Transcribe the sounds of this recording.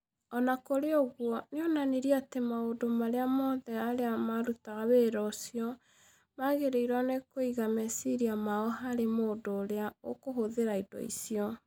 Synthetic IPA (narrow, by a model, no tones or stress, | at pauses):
ɔnakoɾeoɣwɔneonaniɾiatemaodomaɾeamɔðɛaɾeamaɾutaɣaβeɾɔsiɔ | maɣeɾeiɾwanekoiɣamɛsiɾiamaɔɦaɾemoːdoːɾeao̰koɦoðeɾaidɔ̰ḭsiɔ